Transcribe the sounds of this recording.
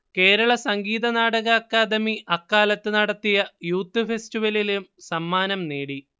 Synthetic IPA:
ke̞ːɾɐɭɐsɐŋɡiːðɐnaːɽɐɣɐːkːaːd̪ɐmiʔɐkːaːlɐt̪ːɨnɐɽɐt̪ːijɐjuːt̪ːɨfestiʋɐlilumsɐmːaːnɐmneːɽi

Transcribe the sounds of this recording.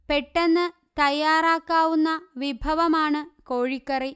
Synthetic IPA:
peʈːenːɨ | t̪ɐjːaːɾaːkːaːʋunːɐʋibʱɐʋɐmaːɳɨkoːɻikːɐri

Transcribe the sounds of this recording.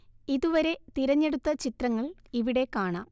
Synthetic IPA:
iðuʋɐɾe̞t̪iɾɐɲːe̞ɽut̪ːɐt͡ɕit̪rɐŋːɐɭiʋiɽe̞kaːɳaːm

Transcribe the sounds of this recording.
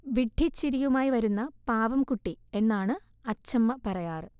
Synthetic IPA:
ʋiɖʱːit͡ɕːiɾijumaːjiʋɐɾunːɐpaːʋɐmkuʈːie̞nːaːɳɨ | ɐt͡ɕːɐmːɐpɐrɐjaːrɨ

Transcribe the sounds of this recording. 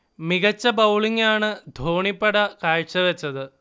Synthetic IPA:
miɣɐt͡ɕːɐbɐwɭiŋaːɳɨd̪ʱoːɳipːɐɽɐkaːɻt͡ɕːɐʋet͡ɕːɐðɨ

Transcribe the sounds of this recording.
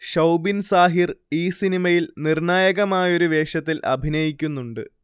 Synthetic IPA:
ʂɐwbinsaːɦiriːsinimɐjilnirɳaːjɐɣɐmaːjo̞ɾuʋe̞ːʂɐt̪ːilʔɐ̰bʱinɐjikʲːunːuɳɖɨ̰

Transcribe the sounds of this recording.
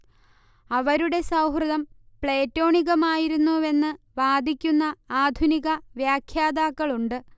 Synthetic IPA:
ɐʋɐɾuɽe̞sɐwɦrɨðɐm | pɭe̞ːtːo̞ːɳiɣɐmaːjiɾunːue̞nːɨ | ʋaːd̪ʱikʲːunːɐaːd̪ʱuniɣɐʋjaːkʰjaːd̪aːkːɐɭuɳɖɨ

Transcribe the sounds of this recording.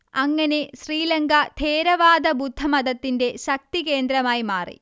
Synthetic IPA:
ɐŋːɐne̞ɕriːlɐŋɡɐt̪ʰeːɾɐʋaːd̪ɐbud̪ʱːɐmɐd̪ɐt̪ːinde̞ɕɐk̚t̪ike̞ːnd̪ɾɐmaːjimaːrḭ

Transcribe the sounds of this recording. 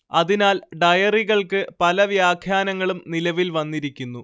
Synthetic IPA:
ɐðinaːlɖɐjɐriɣɐɭkɨpɐlɐʋjaːkʰjaːnɐŋːɐɭumnilɐʋilʋɐnːiɾikʲːunːu

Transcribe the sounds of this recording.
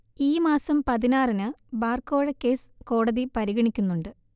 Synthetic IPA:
iːmaːsɐmpɐðinaːrinɨbaːrko̞ːɻɐkːe̞ːsko̞ːɽɐðipɐɾiɣɐɳikʲːunːuɳɖɨ

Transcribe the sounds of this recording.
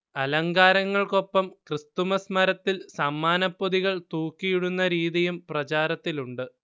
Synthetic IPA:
ɐlɐŋɡaːɾɐŋːɐɭko̞pːɐmkrɨst̪umɐsmɐɾɐt̪ːilsɐmːaːnɐpːoðiɣɐɭt̪uːkːijiɽunːɐɾiːðijumprɐt͡ɕaːɾɐt̪ːiluɳɖɨ

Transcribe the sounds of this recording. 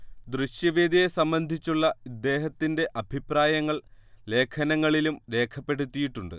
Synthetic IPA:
d̪rɨɕjɐʋeːd̪ijesɐmbɐnd̪ʱit͡ɕːuɭːɐid̪ːe̞ːɦɐt̪ːinde̞ʔɐbʱipraːjɐŋːɐɭle̞ːkʰɐnɐŋːɐɭilumɾe̞ːkʰɐpːe̞ɽut̪ːijiʈːuɳɖɨ

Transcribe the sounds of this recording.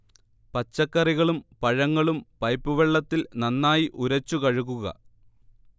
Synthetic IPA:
pɐt͡ɕːɐkːɐriɣɐɭumpɐɻɐŋːɐɭumpɐjpːuʋeɭːɐt̪ːilnɐnːaːjiʔuɾɐt͡ɕːukɐɻuɣuɣɐ̰

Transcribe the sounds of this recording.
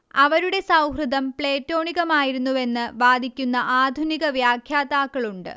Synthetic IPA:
ɐʋɐɾuɽe̞sɐwɦrɨd̪ɐmpɭe̞ːtːo̞ːɳiɣɐmaːjiɾunːuʋe̞nːɨʋaːd̪ʱikʲːunːɐʔaːd̪ʱuniɣɐʋjaːkʰjaːd̪aːkːɐɭuɳɖɨ̰

